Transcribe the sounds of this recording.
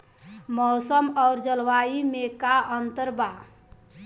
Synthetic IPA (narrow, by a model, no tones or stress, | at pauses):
mɔsəmɔːɾd͡ʒəlʋaimekaʔənt̪əɾba